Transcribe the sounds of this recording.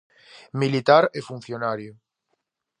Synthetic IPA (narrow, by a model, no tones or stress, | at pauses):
milit̪aɾefun̟θjonaɾjo